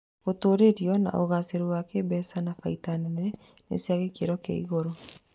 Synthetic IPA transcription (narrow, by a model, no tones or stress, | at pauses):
ɣotoɾeɾiɔna̰ʔoɣaseɾoɾwakebɛsanafaitanɛnɛ | nḛsiaɣekeɾɔkḛḭɣoɾo